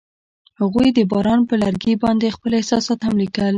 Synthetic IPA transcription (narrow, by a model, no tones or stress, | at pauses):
haɣujd̪əbɑɾɑnpəlaɾɡebɑnd̪expəlɪhsɑsɑt̪hamlikəl